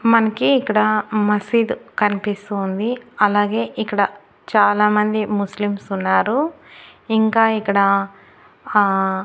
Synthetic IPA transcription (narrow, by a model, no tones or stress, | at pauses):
mɐnɐkiːkːɐɽɐmɐsiːd̪kɐnipist̪uːnd̪iɐlaːɡe̞ːʔikːɐɽɐ | t͡ʃaːlaːmɐnd̪imuslimsunːaːɾu | iŋkaːikːɐɽɐ